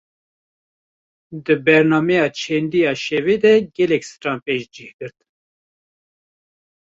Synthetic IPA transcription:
d̪ɨbɛɾnɑːmɛjɑːt͡ʃʰɛnd̪ijɑːʃɛved̪ɛɡɛlɛksɨ̥ɾɑːmpeːʒd͡ʒihɡɨɾt̪

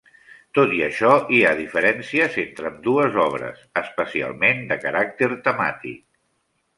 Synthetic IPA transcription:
t̪ot̪iəʃɔiaðifəɾɛnsiəzent̪ɾəmd̪uəzɔβ̞ɾə̰səspəsia̰lˠmend̪əkəɾak̚t̪eɾt̪əma̰t̪ḭk̚

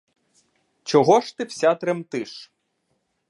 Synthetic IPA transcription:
t͡ʃɔɦɔʃt̪ɪwsʲat̪ɾemt̪ɪʃ

